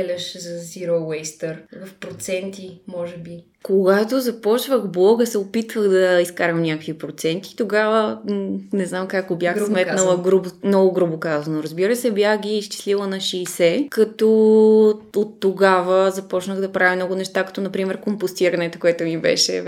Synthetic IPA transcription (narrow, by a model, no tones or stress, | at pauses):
ɛlʲɐʃzɐziɾowɛjst̪əɾvɐfpɾot̪sɛnt̪imɔʒɛbi | koɡat̪ozɐpɔt͡ʃvəɣblˠɔɡəsɛopit̪vəɣd̪ɐiskaɾɐmnʲakəkvipɾot̪sɛnt̪i̥t̪oɡavə | nɛznamkakobʲjaxsmɛt̪nəlˠəɡɾubmnɔɡʊɡɾubokazɐnʊɾɐzbiɾəsɛbjaxɡ̟iːst͡ʃi̥slilˠənɐʃiːsɛkɐt̪ɔ | ot̪ːoɡavəzɐpɔt͡ʃnəɣd̪ɐpɾʔavʲimnɔɡʊnɛʃt̪akɐ̥t̪ɔnɐpɾimɛɾkompʊst̪iɾɐnɛt̪okoɛt̪ʊmibɛ̰ʃɛ̰